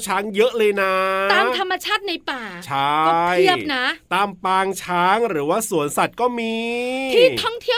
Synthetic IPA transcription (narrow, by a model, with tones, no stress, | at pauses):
t͡ɕʰaː˦˥ŋjɤ˦˥ʔlɤː˧jna˦˥aː˧mt̪ʰa˧mːa˧t͡ɕʰaː˥˩t̪̚na˧jpaː˨˩t͡ɕʰa˦˥˦ji˥˩əp̚na˦˥t̪aː˧mpaː˧ŋt͡ɕʰaː˦˥ŋɾɯː˩˦waː˥˩su˨˩˦ənsa˨˩t̪̚kɔː˥˩miː˧iː˥˩ɔ˥˩ŋt̪ʰi˥˩ə